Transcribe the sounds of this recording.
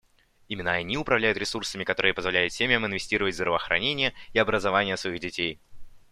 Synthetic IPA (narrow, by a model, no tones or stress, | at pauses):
imʲɪnːəɐnʲiʊpɾɐvlʲæjʊt̪ɾʲɪsursəmʲɪkɐt̪o̞ɾɨjəpəzvɐlʲæjʊt̪sʲemʲɪjəmɨnvʲɪsʲtʲiɾəvətʲvzd̪ɾəvəːxɾʔɐ̰nʲenʲɪjəiɐbɾəzɐvanʲɪjəsvɐiɣdʲɪtʲej